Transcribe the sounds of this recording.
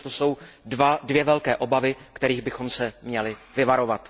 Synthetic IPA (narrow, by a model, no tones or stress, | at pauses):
t̪oso̞wadvjɛvɛlkɛːʔo̞bavɪkt̪ɛɾiːɣbɪxo̞msɛmɲɛlɪvɪvaɾo̞vat̪